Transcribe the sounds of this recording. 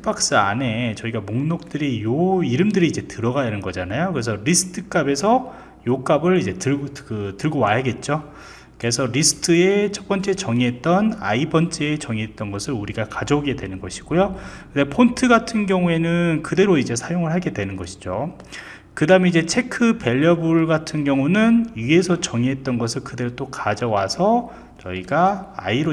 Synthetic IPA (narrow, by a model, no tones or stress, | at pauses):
p͈ak̚s͈ɯa̰ne̞t͡ɕʌiɡamoŋnok̚t͈ɯɾijoiɾɯmdɯɾiːd͡ʑe̞tɯɾʌɡajanɯnɡʌd͡ʑanajokɯɾes̬ʰʌɾisʰɯ̥tʰɯk͈abe̞sʰʌ | jok͈abɯɭid͡ʑe̞tɯɭɡkɯtɯɭɡowajaɡe̞t̚t͡ɕ͈o | kɯɾesʰʌɾisʰɯ̥tʰɯe̞t͡ɕʰʌp͈ʌnt͡ɕ͈e̞t͡ɕʌŋiɦe̞t̚t͈ʌna̰ibʌnt͡ɕ͈e̞ːt͡ɕʌŋiɦet̚t͈ʌnɡʌsʰɯɾuɾiɡakad͡ʑʌuɡe̞dwe̞nɯnɡʌɕʰi̥ɡ̥ojokɯndepʰontʰɯɡatʰɯnɡjʌŋue̞nɯnkɯde̞ɾoid͡ʑe̞sʰajoŋɯɭɦaɡe̞dwe̞nɯnɡʌɕʰi̥d͡ʑo | kɯdaɯmeid͡ʑe̞t͡ɕʰe̞kʰɯpe̞ʎːʌbuɭɡatʰɯnɡjʌŋunɯnie̞sʰʌt͡ɕʌŋiɦe̞t̚t͈ʌnɡʌsʰɯɭkɯde̞ɾot͈okad͡ʑʌwasʰʌ | t͡ɕʌ̰iɡa̰ːiɾo